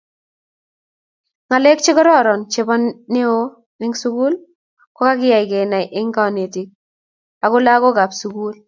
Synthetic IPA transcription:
ŋa˨le˦k̚t͡ʃɪ˦kɔ˦ɾɔ˦ɾɔ˨nt͡ʃe˦bɔ˦nːe˦o˦ | nɪ˦ŋsu˦ku˦l | kɔ˦ka˦kɪ˦ja˨jke˨na˨jʔɪ˦ŋkɔ˦ne˨ti˨k̚ | a˨kʊ˦la˦ko˦ka˨psu˦ku˦l

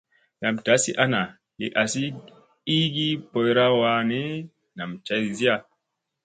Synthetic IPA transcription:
na˨mda˨˦si˦ʔa˦na˨ | le˨ʔa˨si˦ | i˦ɡi˦po˨jɾa˦wa˨ne˦ | na˨mt͡ʃa˨zi˦ja˦˨

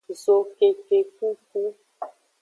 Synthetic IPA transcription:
zo˨ke˨ke˨ku˦k̚u˦

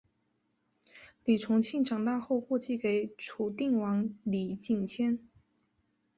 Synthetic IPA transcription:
li˨˩ʈ͡ʂʰʊ˧˥ŋt͡ɕʰi˥˩ŋʈ͡ʂɑ˨˩ŋt̪a˥˧xo˥˧ʊxwɔ˥˧t͡ɕi˥ke˨˧˩ɪʈ͡ʂʰu˨˩t̪i˥˩ŋwɑ˧˥ŋli˨˩t͡ɕi˥˩ŋt͡ɕʰjɛ˥n

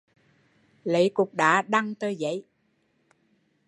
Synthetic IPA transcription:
lə̰˧˨˦jkʊ˨˩k͡p̚ɗa̰ː˧˥ɗa˧ŋt̪əː˧jzə̰˧˥˦j

